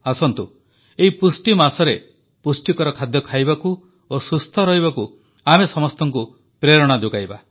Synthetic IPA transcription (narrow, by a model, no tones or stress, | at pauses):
asɔnt̪u | eɦipusʈimasɔɾe | pusʈikɔɾɔkʰad̪jɔkʰajbaku | osust̪ʰɔɾɔɦibaku | amesɔmɔst̪ʰɔŋku | pɾeɾɔɽ̃ad̪uɡajba